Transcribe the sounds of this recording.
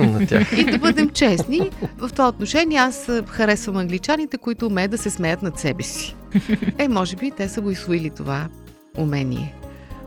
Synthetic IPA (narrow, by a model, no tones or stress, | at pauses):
mnɐt̪ʲa̰xid̪ɐbɤd̪ɛmt͡ʃɛsnivɐft̪ovaot̪noʃɛniɛasxɐɾɛsvəmɐŋɡlit͡ʃanit̪ɛkoit̪ʊːmɛd̪ɐsɛsmɛjət̪nɐt̪sɛbɛsi̥ | ɛmɔʒɛbit̪ɛsəɡoislˠʊilit̪o̰va | ʊmɛnḭɛ̰